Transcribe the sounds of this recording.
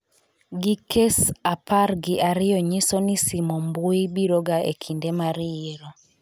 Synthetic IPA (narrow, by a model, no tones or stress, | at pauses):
ɡikesaparɡɪʔaɾɪjɔɲisɔnisimɔmbuibiɾoɡaḛkʰindemaɾɪeɾɔ